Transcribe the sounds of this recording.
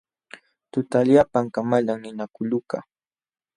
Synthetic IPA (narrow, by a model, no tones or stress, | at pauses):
t̪ʊt̪aʎapaŋkamaʎaŋnɪnakʊʎʊka̰